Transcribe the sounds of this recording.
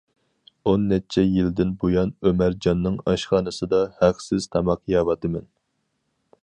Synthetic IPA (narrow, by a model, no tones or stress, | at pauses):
onːɛt͡ʃʰɛjild̪ɪnbojɑnømæɾd͡ʒɑnːɨŋɑʃχɑːnɨsɨd̪ɑhæχsɪz̥t̪ʰɑmɑqjɑːwɑt̪ɨmɛn